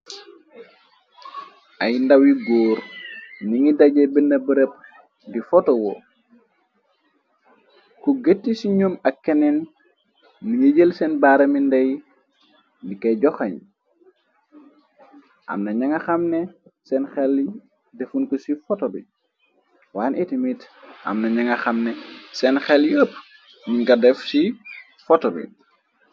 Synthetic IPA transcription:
ʔɐjndawiɡɔːɾniŋidɐɟɛbənːɐbəɾəp̚ | difɔtɔwɔ | kuɡetːisiɲomɐkːɛnɛnː | iŋəɟəlsɛnbaɾɐmindɐj | dikɐɟɔxɐɲ | ʔɐ̰mnɐɲɐŋɐxɐmnɛsɛnxɛl | defunkusifɔtobḭ | waːnʔɛtimitʔɐ̰mnɐɲɐŋɐxɐmnɛsɛnxɛljəːp | miɡɐdɛfsi | fɔtobḭ

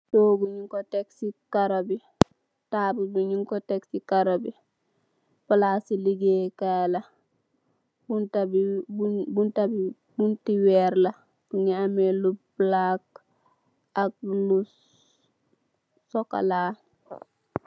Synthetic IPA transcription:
toːɡuɲiŋkɔteksikaɾobi | taːbubuɲiŋkɔteksikaɾobi | palasiliɡeːkalɐ | buntabibubuntabi | buntiwɛɾlɐ | b̥uŋeamelublak̚ | ak̚lu | sɔka̰la

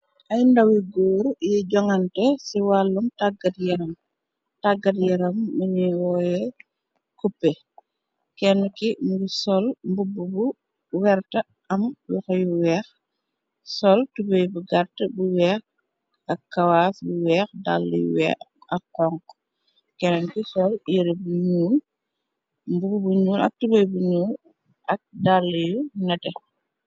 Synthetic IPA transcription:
ʔɐjndawiɡoːɾjiɟɔŋɐntɛsiwalːuŋtaɡɐtjɛɾɐm | taɡɐtjɛɾɐmːiɲiwɔːjɛ | kupːɛ | kɛnːukimɡusɔlmbubːubu | wɛɾtɐ | ʔɐmwḭxɔjuwɛːx | sɔltubejbuɡaɾtəbuwɛːx | ɐkːɐwaːsbuwɛːxda̰lːḭjṵwɛ̰ɐkːɔŋk | kɛnnkisɔljiɾebuɲuːl | mbububuɲuːlɐ̰k̚tubɐjbuɲuːl | ʔɐk̚dalːijunɐtɛ

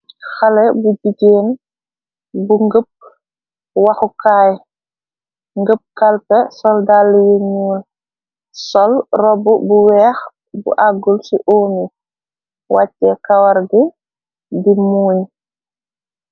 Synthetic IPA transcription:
xalɛbuɟiɟeːn | buŋɡəp̚ | waxukaːj | ŋɡəp̚kalpɛsɔldalːiweɲuːl | sɔlrɔbubuwɛːx | bṵʔaɡulsiʔoːmi | wʔat͡ʃːɛkawaɾɡi | dimuːɲ

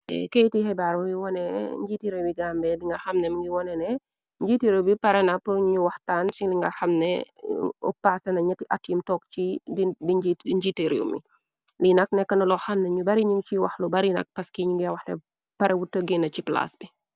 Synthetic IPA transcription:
ɛ̰kejtihɛbaɾwiwɔnɛɲd͡ʒitiɾewiɡambɛdiŋɡɐxɐmnɛmɐŋɡiwɔnɛnɛ | ɲd͡ʒiteɾubipɐɾɛnɐpəɲuɲuwɐxtaːnsiliŋɡɐxɐmnɛ̰ | ɔ̰paːsɐnɐɲɐtːiʔatːjimtɔːkt͡ʃididid͡ʒiiɲd͡ʒiteɾṵmḭ | linɐk̚nɛkːɐnɐlɔxɐmnɛɲubɐɾiɲuŋt͡ʃiwɐxlubɐɾinɐ̰k̚pɐskiɲuŋɡiɐwɐxnɛ̰ | pɐɾɛwutːəɡinɐt͡ʃipla̰sbi

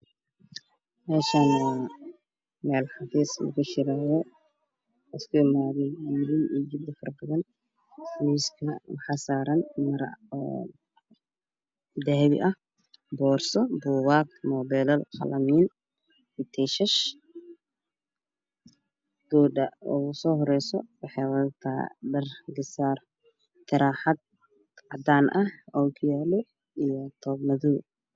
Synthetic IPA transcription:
mɛːʃan | mɛːlħɑfiːslɐ̰ɣʊt͡ʃɪɾajɛ | ɪskʰʊɪmaːðɛɡiːɾɪniːd͡ʒɪd̪ɪfɐrbɐðɐn | ħamiːskʰɐmħasaːɾɐnmɐɾɔ | d̪ɛhβɪ̰ʔɐh | bɔːrsɔbuːwaːk̚mɔːbɛlɐlkɑ̰lʔɐmiːn | ɪt̪ʰɛʃɐʃ | ɡ̪̥uːɖɐɔ̰ːʊsɔːɦɔɾɛjsɔ̰wɑħɑjwɐt̪ʰa̰ːɖɐrɡɪsaːr | t̪ʰɪɾaːħad̪̚ | ʕɑd̪aːnʔɐhɔkʰjaːlɔ | ijɔt̪ʰɔːbnɐðuː

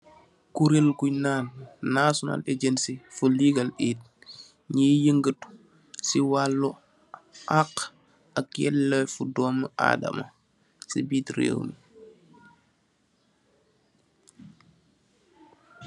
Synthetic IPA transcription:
kuɾelkujnaːnːasona̰leɟensifuliɡaliːt̚ | ɲijəŋɡət | siwalːu | ʔaq | akjɛ̰lːɛfudɔːməʔa̰ːda̰ma̰ | sibiːtɾḛːwni

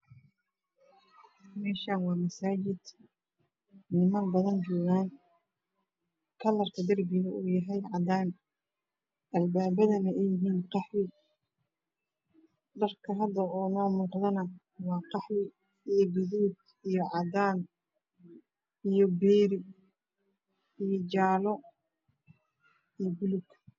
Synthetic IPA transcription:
mɛːʃaːnwɑːmɐsaːt͡ʃɪd̪ | nɪmɐnbɐðɐnt͡ʃɔːɣaːn | kʰɐlɐrkʰɐd̪ɐrbɪɣɐuːjɐɦɛjʕɑd̪aːn | ʔɐlbaːbɐðɐnɛɛjɪɦiːnqɑħlɪ | ɖ̪ɐrkʰɐɦɐd̪ɐɔːnɔːmʊqðɐnɐ | wɑːqɑħɾɪ | ijɔɡɪðuːd̪ | ijɔʕɑd̪aːn | ijɔbɛːɾɪ | ijɔt͡ʃaːlɔ | ijɔbʊlʊɡ

